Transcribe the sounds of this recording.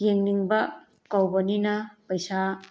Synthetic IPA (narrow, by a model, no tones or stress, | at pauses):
jeŋniŋbɐ | kawbɐninɐpɐjsa